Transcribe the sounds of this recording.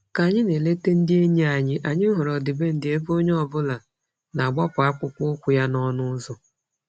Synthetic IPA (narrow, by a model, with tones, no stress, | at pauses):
ka˨ɲɪ˦ne˨le˦te˦n̩˦dɪ˦e˦ɲe˦a˨ɲɪ˦ʔa˨ɲɪ˦ɦʊ˨ɾɔ˨dɪ˨be˦n̩˦dɪ˦e˦bo˦ɲ˦ɔ˨bʊ˦la˨ | na˨ɡ͡bɔ˦pʊ˨a˦kʷʊ˦kʷʊ˦kʷʊ˨ja˦nɔ˦nʊ˦zɔ˨